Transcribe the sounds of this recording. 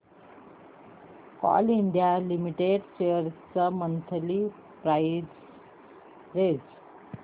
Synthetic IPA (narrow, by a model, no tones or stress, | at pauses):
kɔ̰liɳɖijalimiʈeɖɕejəɾt͡səmənt̪ʰli | pɾaid͡z | ɾed͡z